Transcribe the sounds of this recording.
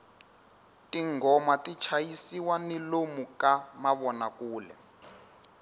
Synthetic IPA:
tiŋɡɔmatit͡ʃʰajisiwanilomukamaβɔnakuːlɛ̰

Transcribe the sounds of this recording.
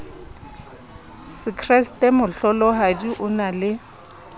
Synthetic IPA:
sɪkʰrɛstʼemʊɬɔlɔɦadiʔʊnalɪ

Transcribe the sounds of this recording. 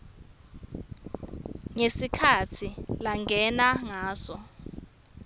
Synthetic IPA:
ŋesikʰatʰilaŋɡʱɛnaŋaːsɔ

